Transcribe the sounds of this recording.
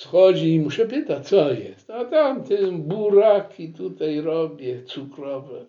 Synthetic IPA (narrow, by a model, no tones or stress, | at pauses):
sxɔʒiimuʃɛpet̪at͡sɔjɛ̰st̪at̪amt̪ɪmbuɾakʰit̪ut̪ajɾɔbjɛt͡sʰukɾɔvɛ